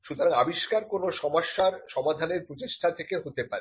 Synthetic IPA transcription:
ʃut̪ʰoŋabiʃkaɾkonoʃɔmaʃːaɾʃɔmad̪ʱaneɾpɾot͡ɕiʃʈʰat̪ʰekeɦot̪epaɾe

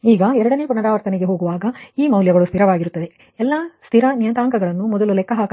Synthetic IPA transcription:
iːɡɐɛɾɐɽɐne̞ːpuɳɐɾaːʋɐɾt̪ɐneɡe̞ɦo̞ːɡuʋaːɡɐiːmɐwljɐɡɐɭust̪ʰiɾɐʋaːɡiɾut̪ːɐd̪e̞ | ɛlːɐst̪ʰiɾɐnjɐnt̪aːŋkɐɡɐɭɐnːumɔd̪ɐlulɛkːɐɦaːk

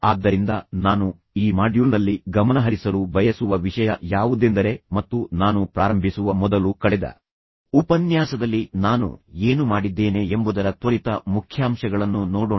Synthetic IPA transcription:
aːd̪ːɐɾind̪ɐnaːnu | iːmaːɖjulnɐlːiɡɐmɐnɐɦɐɾisɐlubʱɐjɐsuʋɐʋiʂɐjɐjaːʋud̪end̪ɐɾe̞mɐt̪ːunaːnupɾaːɾɐmbʱisuʋɐmɔd̪ɐlukɐɭɛd̪ɐ̰ | upɐnjaːsɐd̪ɐlːinaːnṵe̞ːnumaːɽid̪ːe̞ːne̞embud̪ɐɾɐt̪ʋɐɾit̪ɐmukʰjaːmʂɐɡɐɭɐnːunɔːɽoː

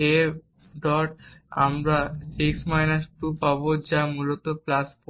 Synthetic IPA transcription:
e | ɖɔʈa̰mɾasiksmajnasʈupabod͡ʑamulot̪oplasfo

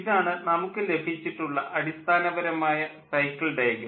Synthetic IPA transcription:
iðaːɳɨnɐmukːɨle̞bʱit͡ɕːiʈːuɭːɐʔʔɐɽist̪ʰaːnɐʋɐɾɐmaːjɐsɐjkːɐɭɖɐjɡɐ

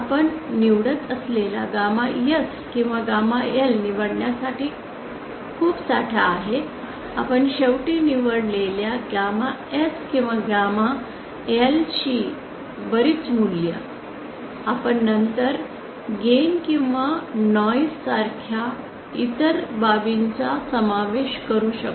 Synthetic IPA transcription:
apəɳniʋɽət̪əslela̰ɡamajəs | kĩw̃ʋaɡamaelniʋəɽɳjasaʈiː | kʰuːpsaʈʰaːɦe | a̰pəɳɕewʈiːniʋəɽleljaɡamaeskĩw̃ʋaɡama | elɕiː | bəɾiːt͡sunlijə̰ | apəɳnənt̪əɾ | ɡenkĩw̃ʋanɔjsaɾkʰja | it̪əɾbabiɲt͡sasəmaʋeɕkəɾuːɕək

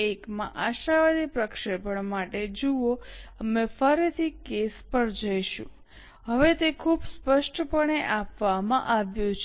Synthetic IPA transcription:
ekmã̰ʔaʃaʋad̪ipɾəkʃepəɳmaʈed͡ʒuoəmẽfəɾit̪ʰikespəɾd͡ʒəjʃṵ̃ | ɦəʋet̪ekʰubspəʃʈpəɳeʔapʋamã̰ʔaʋjũt͡ʃʰ

